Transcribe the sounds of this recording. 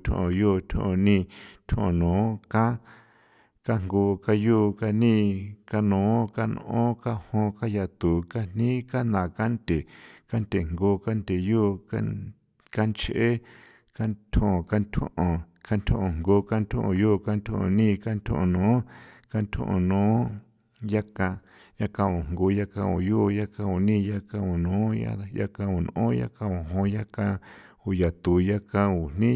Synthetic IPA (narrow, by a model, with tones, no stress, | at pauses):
t̪ʲʰõ̰˨õ˨jo˦˨t̪ʰõ̰˧ʔõ˧nĩ˦˧nt̪ʰõ̰˦ʔõ˨nõː˨˦kã˦ | ka˦ŋɡoː˧ka˧juː˦ka˧nĩ˦ka˧nõː˨˦ka˦nõ̰˧˨ʔõ˦ka˦hõ˧ka˦ja˧˨t̪u˨ka˦n̥nĩ˦ka˦nã˨ka˦nt̪e˨ka˦nt̪e˨ŋɡo˧ka˦nd̪e˨juː˦ka˦ | ka˦nt͡ʃʔe˦ | ka˦nt̪ʰõ˦õ˨ka˧nt̪ʰṵ̃˦ʔõ˨ | ka˦nt̪ʰõ˦ʔõ˨ŋɡo˧ka˦nt̪ʰõ̰˦ʔõ˨juː˦˨ka˦nt̪ʰõ̰˦ʔõ̰˨nĩ˦ka˦nt̪ʰõ̰˦ʔõ̰˨nõː˨˦ka˦˧nt̪ʰõ̰˦ʔõ̰˨nõː˨˦ | ja˦kã˧ | ja˦kã˧o˨ŋŋɡo˧ja˦kã˧o̰˨ju˦˧˨ja˦kã˧u˨nĩ˦ja˦kã˧o˨nõː˨˦ja̰˦ja̰˦kã˧u˨n˨õ˦ja̰˦kã˧o˨ɦõ˧ja˦kã˧ | u˨ja˨t̪u˨ja˦kã˧u˨n̥ĩ˦